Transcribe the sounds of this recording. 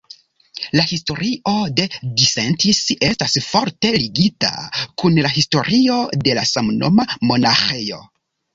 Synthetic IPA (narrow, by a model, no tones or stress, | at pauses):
lahisto̞ɾio̞de̞disentise̞stasfo̞ɾte̞liɡita̰kunlaɦisto̞̰ɾʔio̞de̞lasamno̞̰mamo̞naxe̞jo̞̰